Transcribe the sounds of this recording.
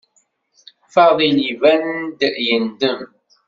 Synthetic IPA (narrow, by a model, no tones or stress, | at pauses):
faðˤinivænd̪əʔjəndəm